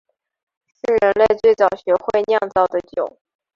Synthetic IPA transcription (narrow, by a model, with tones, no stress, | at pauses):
ʂɻ̩˥˩ɻə˧˥nle˥˧ɪt͡swe˥˩ɪt͡sɑ˨˩ʊɕɥɛ˧˥xwe˥˧ɪnjɑ˥˧ŋt͡sɑ˥˩ʊd̪ə˩t͡ɕjo˨˩˦ʊ